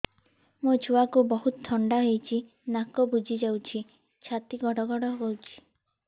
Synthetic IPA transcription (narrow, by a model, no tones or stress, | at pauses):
mut͡ʃʰuwakubɔɦut̪ɔt̪ʰɔɳɖaɦejt͡ʃʰi | nakɔbud͡ʒʱid͡ʒawt͡ʃʰi | t͡ʃʰat̪iɡɔɽɔɡɔɽɔɡɔwt͡ʃʰi̥